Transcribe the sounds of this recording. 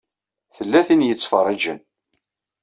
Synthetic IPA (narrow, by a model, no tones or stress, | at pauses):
θəlːæθinjət͡sːfərˤːid͡ʒən